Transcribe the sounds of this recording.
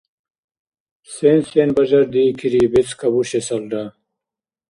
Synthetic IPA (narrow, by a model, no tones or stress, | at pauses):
sensenbɐd͡ʑɐɾd̪iːkʰiɾiːbit͡skʰɐbuɕesɐlɖa